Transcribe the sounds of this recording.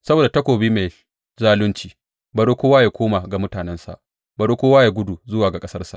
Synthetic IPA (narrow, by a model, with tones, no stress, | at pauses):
sɐ˦boː˨da˨tɐ˦kʷoː˨biː˦me˨ | zaː˦lʊ˦nt͡ʃiː˦ | bɐ˨ɽo˦kʷoː˦waː˦jaː˨kʷoː˦ma˨ɡa˨mʊ˦taː˨nɛ˦nsa̰˨ʔ | bɐ˨ɽo˦kʷoː˦waː˦ja˨ɡʷʊ˦du˨zʊ˦waː˨ɡa˨kʼɐ˦sɐ˦rsa̰˨ʔ